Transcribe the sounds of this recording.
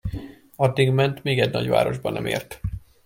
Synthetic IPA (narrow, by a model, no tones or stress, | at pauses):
ɒd̪ːiɡmɛnt̪meːɡɛɟnɒɟva̰ːɾo̞ʒbɒnɛ̰mḛːrt̪